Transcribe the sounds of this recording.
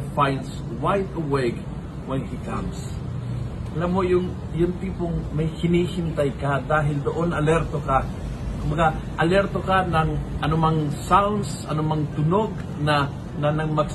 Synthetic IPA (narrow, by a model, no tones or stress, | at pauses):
pajns | wajt̪ɐwɛɡ | wɛnhikams | ʔɐlamːo̞jʊŋ | jʊŋt̪iːpoŋmɐjhɪniːhɪnt̪ajkad̪aːɦɪld̪oʔonɐlɛɾt̪oka | kʊmbɐɡa | ʔɐlɛɾt̪okanɐŋʔɐnʊmaŋsawnd̪s | ɐnʊmaŋt̪ʊnoɡ̚ | nɐ | nɐnɐɡmɐɡs